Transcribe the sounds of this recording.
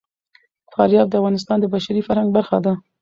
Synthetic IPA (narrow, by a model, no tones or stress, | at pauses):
fɑɾjɑb̚d̪əavɣɑnɪs̬t̪ɑnd̪əbaʃaɾifaɾhaŋɡ̚baɾxad̪a